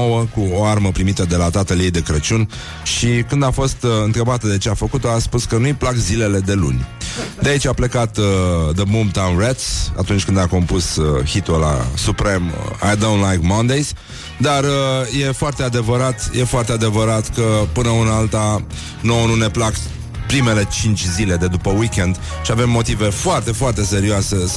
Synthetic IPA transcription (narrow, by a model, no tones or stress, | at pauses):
owəkuoarməpɾimit̪əd̪e̞lat̪at̪əlijejd̪e̞kɾət͡ʃun | ʃikɨnd̪afo̞st̪ɨnt̪ɾəbat̪əd̪e̞t͡ʃe̞afəkut̪o̞aspuskənujplakzile̞le̞d̪e̞lṵnʲd̪eait͡ʃʲaple̞kat̪d̪əmumt̪awnret̪sa̰t̪unt͡ʃʲkɨnd̪ako̞mpushit̪ola̰supɾe̞ma̰jd̪ownlajkmand̪ejs | d̪arəje̞foart̪e̞ad̪e̞vəɾat̪jʔe̞foart̪ead̪e̞vəɾat̪kəpɨnəɨnalt̪a | noonune̞plak | pɾime̞le̞t͡ʃint͡ʃʲzile̞d̪e̞d̪upəwikʲend̪ | ʃiave̞mːo̞t̪ive̞foart̪e̞foart̪e̞se̞ɾioase̞